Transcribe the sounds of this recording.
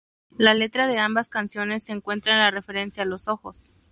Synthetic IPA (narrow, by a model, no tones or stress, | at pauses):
lale̞t̪ɾaðe̞ambaskansjo̞ne̞sːeːŋkwe̞nt̪ɾaenlare̞fe̞ɾe̞nsjaːlo̞so̞xo̞s